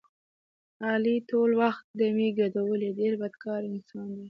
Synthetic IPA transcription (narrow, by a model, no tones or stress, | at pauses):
ɑlit̪olwaxt̪̚d̪əmeɡad̪awəleɖeɾbad̪̚kʰɑɾɪnsɑnd̪i